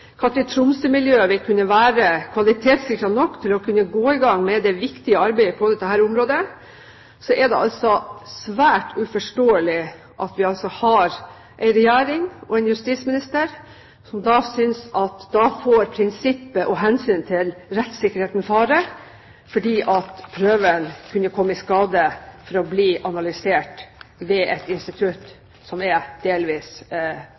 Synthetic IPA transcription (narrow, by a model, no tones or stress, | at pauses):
kʰɑt̪ɾɪt̪ʰɾʊmsəmɪljøːʋɪlkʰʉnːəʋæːɾəkʰʋɑlɪt̪ʰeːt̪sɪkːɾɑnɔkːt̪ʰɪlɔkʰʉnːəɡoːɪɡɑŋːmɛd̪ɛʋɪkt̪ɪəɑɾbæɪəpʰɔd̪ɛt̪ːəhæːɾʊmɾoːd̪ə | sɔʔɛd̪ɛ̰ʔɑ̰lsɔsʋæːʈʉfɔʂʈoːəlɪ | ʔɑt̪ʋɪɑlsɔhɑɾ | ʔɛɪnɾɛjæːɾɪŋɔɛnjʉst̪ismɪnɪst̪əɾ | sɔmd̪ɑːsʏnsɑt̪d̪ɑfoːɾpʰɾɪnsɪpːəʔɔɦɛnsyːnt̪ʰɪlɾɛt̪sɪkːəɾheːt̪n̩fɑːɾə | fɔɖiːʔɑt̪pʰɾøːʋənkʰʉnːəkʰɔmːəɪskɑːd̪əfɔɾɔbliːʔɑnɑlʏseːʈʋɛʔɛt̪ɪnst̪ɪt̪ʰʉt̪ː | sɔmɛd̪̥eːlʋiːs